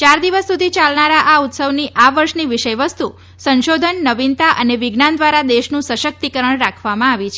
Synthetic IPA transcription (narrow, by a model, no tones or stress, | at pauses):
t͡ʃaɾd̪iʋəsːud̪ʱit͡ʃalnaɾaʔaut̪səʋniʔaʋəɾʃniʋiʃəjʋəst̪u | sənʃod̪ʱənːəʋint̪aʔəneʋɪɡnand̪ʋaɾad̪eʃnũsəʃək̚t̪ikəɾəɳɾakʰʋamãaʋit͡ʃʰ